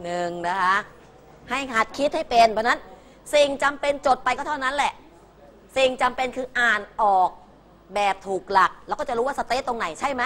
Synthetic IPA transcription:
nɯ˨˩ŋna˦˥kʰa˦˥ʔ | ha˥˩jha˨˩t̪̚kʰi˦˥t̪̚ha˥˩jpe˧npʰɔ˧˥na˦˥n | si˨˩ŋt͡ɕa˧mpe˧nt͡ɕo˨˩t̪̚pa˧jkɔː˥˩t̪ʰna˦˥nlɛ˨˩ʔ | si˨˩ŋt͡ɕa˧mpe˧nkʰɯː˧ʔaː˨˩nʔɔː˨˩k̚ | bɛː˨˩p̚t̪ʰuː˨˩k̚la˨˩k̚lɛ˦˥kɔː˥˩a˨ɾuː˦˥wa˥˩sa˧t̪eː˦˥t̪o˧ŋna˩˦jt͡ɕʰa˥˩jma˦˥

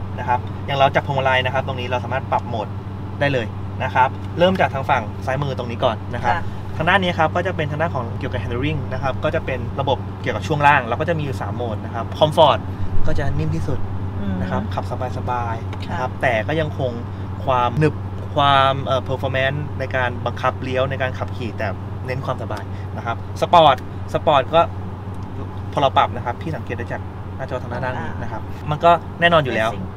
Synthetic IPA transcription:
na˦˥kʰa˦˥p̚ | ja˨˩ŋɾa˧wt͡ɕaː˨˩kpʰo˧ma˧la˧jna˦˥kʰa˦˥p̚t̪o˧ŋniː˦˥ɾa˧wsaː˨˦maː˥˩t̪̚pɾa˨˩p̚moː˨˩t̪̚ | daː˥˩jlɤː˧j | na˦˥kʰa˦˥p̚ | ɾɤː˥˩mt͡ɕaː˨˩k̚t̪ʰaː˦˥ŋfa˨˩ŋsaː˦˥jmɯː˧t̪o˧ŋniː˦˥kɔː˨˩nːa˦˥kʰa˦˥ | t̪ʰa˧ŋdaː˥˩nːi˦˥˧kʰa˦˥p̚kɔː˥˩t͡ɕa˨˩pe˧nt̪a˧ŋdaː˥˩nkʰɔː˩˦ŋki˨˩wka˨˩hɛ˧ndə˧ɾi˥˩ŋna˦˥kʰa˦˥p̚kɔː˥˩t͡ɕa˨˩pe˧nɾa˧bo˨˩p̚ki˨˩əwka˨˩pt͡ɕʰu˥˩əŋɾaː˥˩ŋɾɛ˧wkɔː˥˩t͡ɕa˨˩ʔmiː˧juː˨˩sa̰ː˩˦mːoː˨˩t̪̚na˦˥kʰa˦˥p̚kʰɔ˧mfɔː˨˩t̪̚kɔː˥˩t͡ɕa˨˩ni˥˩nt̪ʰiː˥˩su˨˩t̪̚na˦˥kʰa˦˥p̚kʰa˨˩p̚sa˧˦baː˧jsa˧baː˧j | kʰa˦˥p̚t̪ɛː˨˩kɔː˥˩ja˧ŋkʰo˧ŋ | kʰwaː˧mnɯ˨˩p̚ | kʰwaː˧mʔɤː˨˩pʰɤː˧fʰɔː˧mɛ˦˥nːa˧jkaː˧nba˧ŋkʰa˦˥p̚li˦˥ə˩wna˧jkaː˧nkʰa˨˩p̚kʰiː˨˩t̪ɛː˨˩ | ne˦˥nkwaː˧msa˧baː˧j | na˦˥kʰa˦˥p̚sa˧pɔː˨˩t̪̚ | sa˧pɔː˨˩t̪̚kɔː˥˩ | pʰo˧la˧pa˨˩p̚na˦˥kʰa˦˥pʰːiː˥˩sa˩˦ŋkeː˨˩t̪̚da˥˩t͡ɕaː˨˩k̚ | naː˥˩t͡ɕɔː˧t̪ʰa˧ŋnaː˥˩na˥˩n̚˧˩na˦˥kʰa˦˥p̚ma˧nkɔː˥˩ | nɛː˥˩nɔː˧nju˨lɛː˦˥w

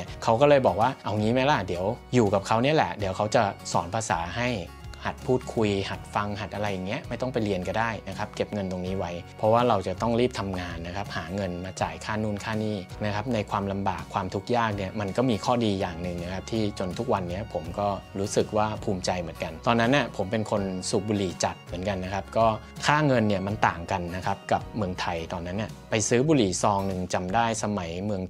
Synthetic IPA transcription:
ɐkʰa˦˥wkɔː˥˩lɤː˧jbɔː˨˩k̚waː˥˩ʔa˧˩wŋiː˦˥ma˦˥jla˧˥˩di˨˩˦əwjuː˨˩ka˨˩p̚kʰa˦˥wni˥ɐ˨lɛ̰˨˩di˩˦əwkʰa˦˥wt͡ɕa˨˩sɔː˩˦npʰaː˧sa̰ː˩˦ɦa˥˩j | ha˨˩t̪̚pʰuː˥˩t̪̚kʰu˧jha˨˩t̪̚fa˧ŋɦa˨˩t̪̚ʔa˧ɾa˧jːa˨˩ŋːi˦˥ɐʔma˥˩jt̪ɔ˥˩ŋpa˧jɾi˧ənka˧˩daː˥˩jna˦˥kʰa˦˥p̚ke˨˩p̚ŋɤ˧nt̪o˧ŋniː˦˥wa˦˥jpʰɔ˦˥waː˥˩ɾa˧wt͡ɕa˨˩t̪ɔ˥˩ŋɾiː˥˩p̚t̪ʰa˧mŋaː˧nːa˦˥kʰa˦˥p̚haː˩˦ŋɤ˧nmaː˧t͡ɕa̰ː˨˩jkʰaː˥˩nuː˥˩nkʰaː˥˩niː˥˩na˦˥kʰa˦˥p̚na˧jkʰwaː˧mla˧mbaː˨˩kʰwaː˧mt̪ʰu˦˥k̚jaː˥˩k̚ni˥˩ɐma˧nkɔː˥˩miː˧kʰɔː˥˩diː˧jaː˨˩ŋnɯ˨ŋna˦˥kʰa˦˥p̚t̪ʰiː˥˩t͡ɕo˧nt̪ʰu˦˥k̚wa˧nːi˦˥ɐpʰo˩˦mkɔː˥˩ɾuː˦˥sɯ˨˩k̚waː˥˩pʰuː˧mt͡ɕa˧jmɯ˩˦ənka˧nt̪ɔː˧nːa˦˥nːi˦˥˩ɐpʰo˩˦mpe˧nkʰo˧nsu˨˩buː˧liː˨˩˦t͡ɕa˨˩t̪̚mɯ˨˩˦nka˧nːa˦˥kʰa˦˥p̚kɔː˥˩ | kʰaː˥˩ŋɤ˧nːi˥˩ɐma˧nt̪aː˨˩ŋka˧nːa˦˥kʰa˦˥p̚ka˨˩p̚mɯ˧əŋt̪ʰa˧jt̪ɔː˧nːa˦˥nːi˧˩ɐpa˧jsɯː˦˥buː˧liː˩˦sɔː˧ŋnɯ˨˧ŋt͡ɕa˧mdaː˥˩jsa˧ma˩˦jmɯ˧əŋ

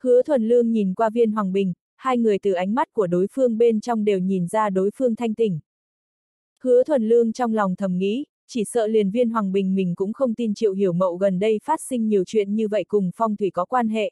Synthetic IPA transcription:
hɨ˨˦ət̪ʰwə˨˩nlɨ˧əŋɲi˨˩nkwaː˧vi˧ənɦwaː˨˩ŋɓï˨˩ŋ̟ | haː˧jŋɨ˨˩əjt̪ɨ˨˩ʔa˨˦jŋ̟ma˦˥t̚ku˧˩əɗo˨˦jfɨ˧əŋɓe˧nt͡ɕɔ˧wŋ͡mɗe˨˩wɲi˨˩nzaː˧ɗo˨˦jfɨ˧əŋt̪ʰa˧jŋt̪ï˨˧˩ŋ̟ | hɨ˨˦ət̪ʰwə˨˩nlɨ˧əŋt͡ɕɔ˧wŋ͡mla˨˩wŋ͡mt̪ʰə˨˩mŋḭ˧˥ | t͡ɕi˧˩sə̰ː˧˨li˨˩ənvi˧ənɦwaː˨˩ŋɓï˨˩ŋ̟mï˨˩ŋ̟kʊ̰˧˥ŋ͡mxə˧wŋ͡mt̪i˧nt͡ɕḭ˧˨wɦi˧˩əwmə̰˧˨wɣə˨˩nɗə˧jfaː˦˥t̚sï˧ŋ̟ɲi˨˩əwt͡ɕwḭ˧˨ənɲɨ˧və̰˧˨jkʊ˨˩ŋ͡mfɔ˧wŋ͡mt̪ʰwi˧˩kɔ˨˦kwaː˧nɦḛ˧˨

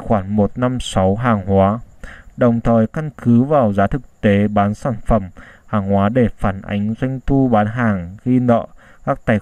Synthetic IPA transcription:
xwaː˧˩nmo˨˩t̚na˧msa˨˦wɦaː˨˩ŋhwaː˨˦ɗə˨˩wŋ͡mt̪ʰəː˨˩jka˧nkɨ˨˦vaː˨˩wzaː˨˦t̪ʰɨ˨˩k̚t̪e˨˦ɓaː˨˦nsaː˧˩nfə˧˩mhaː˨˩ŋhwaː˨˦ɗe˧˩faː˧˩nʔa̰˨˦jŋ̟zwa˧jŋ̟t̪u˧ɓaː˨˦nɦaː˨˩ŋɣi˧nə̰ː˧˨kaː˦˥k̚t̪aː˧˩j

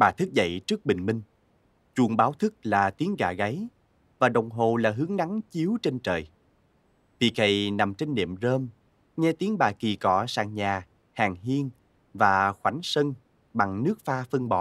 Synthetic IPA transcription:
ɓaː˨˩t̪ʰɨ˦˥k̚zə̰˧˨jt͡ɕɨ˦˥ək̚ɓï˨˩ŋ̟mï˧ŋ̟ | t͡ɕu˧˩əŋɓaː˨˦wt̪ʰɨ˦˥k̚laː˨˩t̪i˨˦əŋɣa̰ː˧˩ɣa˨˦j | vaː˨˩ɗə˨˩wŋ͡mɦo˨˩laː˨˩ɦɨ˨˦əŋna˨˦ŋt͡ɕi˨˦əwt͡ɕe˧nt͡ɕə̰ː˨˩j | vḭ˨˩ək̚hə˨˩jna˨˩mt͡ɕe˧nːḭ˧˨əmzəː˧m | ɲɛ˧t̪i˨˦əŋɓaː˨˩ki˨˩kɔ˧˩sa̰ː˧˩ŋɲaː˨˩ | haː˨˩ŋɦi˧ən | vaː˨˩xwa˨˩˦jŋ̟sə˧ŋ | ɓa˨˩ŋnɨ˦˥ək̚faː˧fə˧ŋɓɔ̰˧˨

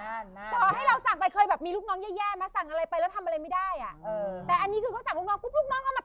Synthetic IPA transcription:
kʰɔː˨˩ɦa˥˩jɾa˧wsa˨˩ŋpa˧jkʰɤː˧jbɛː˨˩p̚miː˧luː˥˩k̚nɔː˦˥ŋjɛː˥˩jɛː˥˩maː˧˥sa˨˩ŋʔa˧ɾa˧jpa˧jlɛ˦˥wt̪ʰa˧mʔa˧ɾa˧jma˥˩jdaː˥˩jʔa˨˩ʔɤː˧t̪ɛː˨˩ʔa˧nːiː˦˥kʰɯː˧kʰa˦˥sa˨˩ŋlu˦˥k̚ɔ˦˥t̪ʰu˦˥t̪̚lʰu˥k̚nɔː˦˥ŋʔa˧˥˩ma˧˩

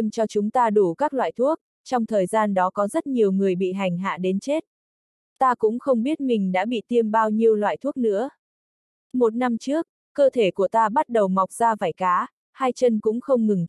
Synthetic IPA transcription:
i˧mt͡ɕɔ˧t͡ɕʊ˨˦ŋ͡mt̪aː˧ɗu˧˩kaː˦˥k̚lwa̰ː˧˨jt̪ʰu˦˥ək̚ | t͡ɕɔ˧wŋ͡mt̪ʰəː˨˩jzaː˧nɗɔ˨˦kɔ˨˦zə˦˥t̚ɲi˨˩əwŋɨ˨˩əjɓḭ˧˨ɦa˨˩jŋ̟ɦa̰ː˧˨ɗe˨˦nt͡ɕe˦˥t̚ | t̪aː˧kʊ̰˧˥ŋ͡mxə˧wŋ͡mɓi˦˥ət̚mï˨˩ŋ̟ɗa̰ː˧˥ɓḭ˧˨t̪i˧əmɓaː˧wɲi˧əwlwa̰ː˧˨jt̪ʰu˦˥ək̚nɨ̰˧˥ə | mo˨˩t̚na˧mt͡ɕɨ˦˥ək̚ːəː˧t̪ʰe˧˩ku˧˩ət̪aː˧ɓa˦˥t̚ɗə˨˩wma˨˩wk͡p̚zaː˧vaː˧˩jkaː˨˦ | haː˧jt͡ɕə˧nkʊ̰˧˥ŋ͡mxə˧wŋ͡mŋɨ˨˩ŋ

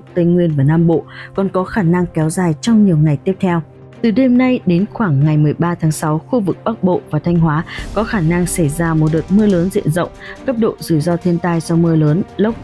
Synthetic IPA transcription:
t̪ə˧jŋwi˧ənvaː˨˩naː˧mɓo̰˧˨kɔ˨˩nkɔ˨˦xaː˧˩na˧ŋkɛ˨˦wzaː˨˩jt͡ɕɔ˧wŋ͡mɲi˨˩əwŋa˨˩jt̪i˦˥əp̚t̪ʰɛ˧w | t̪ɨ˨˩ɗe˧mna˧jɗe˨˦nxwaː˧˩ŋːa˨˩jmɨ˨˩əjɓaː˧t̪ʰaː˨˦ŋsa˨˦wxu˧vɨ˨˩k̚ɓa˦˥k̚ɓo̰˧˨vaː˨˩t̪ʰa˧jŋ̟ɦwaː˨˦kɔ˨˦xaː˧˩na˧ŋsa˧˩jzaː˧mo˨˩t̚ɗəː˨˩t̚mɨ˧ələː˨˦nzḭ˧˨ənzə̰˧˨wŋ͡mkə˦˥p̚ɗo̰˧˨zɨ˧˩zɔ˧t̪ʰi˧ənt̪aː˧jzɔ˧mɨ˧ələː˨˦nlə˦˥wk͡p̚

